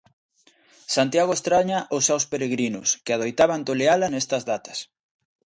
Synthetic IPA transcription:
sant̪jaɣoest̪ɾaɲaʔosːewspeɾeɣɾinʊskeaðojt̪aβant̪olealanest̪ɐzðat̪ɐ̥s

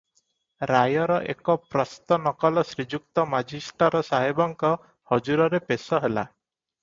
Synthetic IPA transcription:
ɾajɔɾɔʔekɔpɾɔst̪ɔnɔkɔlɔsɾid͡ʒuk̚t̪ɔmad͡ʒisʈɔɾɔsaɦibɔŋkɔ | hɔd͡ʒuɾɔɾepesɔɦela̰

